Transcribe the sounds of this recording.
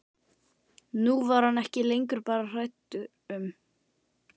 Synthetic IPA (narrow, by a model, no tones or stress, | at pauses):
nuvaɾ̥hanɛhcɪlejŋkʏɾpaːɾar̥ajt̪ʏ | ʏm